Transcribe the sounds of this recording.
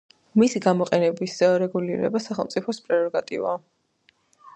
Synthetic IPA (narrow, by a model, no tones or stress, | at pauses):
misiɡamɔqʼɛnɛbisɾɛɡuliɾɛ̰basaχɛlˠt̪sʼipʰɔspʼɾɛɾɔɡat̪ʼḭva̰